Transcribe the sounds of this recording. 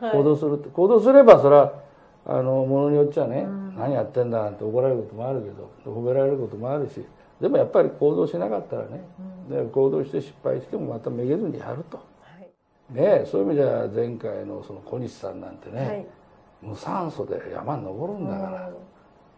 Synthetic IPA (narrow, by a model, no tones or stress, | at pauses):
ko̞ːd̪o̞ːsɨɾɯt̪ːeko̞ːd̪o̞ːs̬ɨɾe̞basoɾa | a̰no̞mo̞no̞ɲ̟ijott͡ɕːiβanenaɲ̟ijat̪ːẽ̞nd̪aant̪ːeoko̞ɾaɾeɾɯko̞t̪o̞moaɾɯ̟ke̞d̪o̞̰d̪ehobe̞ɾaɾe̞ɾɯ̟ko̞t̪omo̞aɾɯ̟ɕḭ | d̪e̞mo̞japːaɾʲikʰo̞ːd̪o̞ːɕinakat̪ːaɾa̰ned̪ko̞ːd̪o̞ːɕi̥t̪e̞ɕi̥pːa̰iɕi̥t̪e̞mo̞mat̪ameɡe̞zɨɲ̟ḭja̰ɾɯ̟t̪o̞̥ | neso̞ːimʲid̪eβa̰zẽ̞ŋkaino̞̰sonokʰo̞ɲiɕi̥sã̰nːã̰nt̪e̞ne̞ | mɯ̟sãɰ̃so̞d̪e̞̰ja̰maɲno̞bo̞ɾɯ̟̃nd̪akaɾa